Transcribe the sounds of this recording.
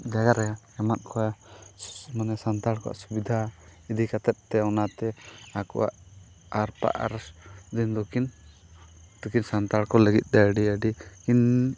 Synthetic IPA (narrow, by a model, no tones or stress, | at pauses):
d͡ʒaɡaɾɛa | ɛman̚kʰɔa | manɛsant̪aɽkɔa̰ʔsubid̪ʱaid̪ikat̪ɛp̚t̪ɛɔnat̪ɛakɔ̰wa̰ʔ | aɾpa̰ʔa̰ɾd̪ind̪okʰin | d̪ukinsant̪aɽkɔləɡit̪̚ˀd̪ɛəɖiəɖikin